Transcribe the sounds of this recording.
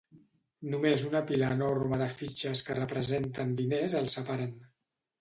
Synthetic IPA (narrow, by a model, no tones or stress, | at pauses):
numezunəpilənorməðəfit͡ʃəskərəpɾəzent̪ənd̪inezəlˠsəpaɾan